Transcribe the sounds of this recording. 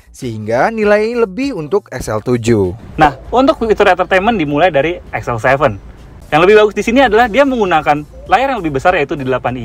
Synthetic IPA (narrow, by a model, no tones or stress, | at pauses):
səɦiŋɡanilajləbɪhunt̪ʊkɛksɛlt̪ud͡ʒunahunt̪ʊk̚it̪uɾɛt̪ərt̪aməndimulajdaɾiɛksɛlsɛvən | jaŋləbɪhbaɡʊsdisiniadalahdiaməŋɡunakan | lajarjaŋləbɪhbəsarjait̪udidəlapani